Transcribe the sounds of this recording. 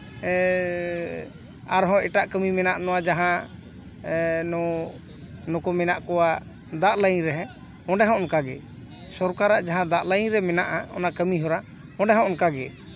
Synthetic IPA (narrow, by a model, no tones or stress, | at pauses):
aɾɦɔ̃ɛʈaʔkəmimɛnaʔnɔwad͡ʒaɦã | nɔ | nɔkɔmɛnaʔkɔwa | d̪aʔləj̃ɾɛɦɛ̃ | ɔ̃ɖɛɦɔ̃ɔnkaɡɛ̰ | sɔɾkaɾaʔd͡ʒaɦãd̪aʔləj̃ɾɛmɛnaʔaɔ̰nakəmiɦɔɾa | ɔ̃ɖɛɦɔ̃ʔɔnkaɡɛ̰